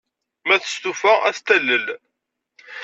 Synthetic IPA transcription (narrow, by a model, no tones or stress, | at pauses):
mæθə̥st̪ufææθt̪ælːəl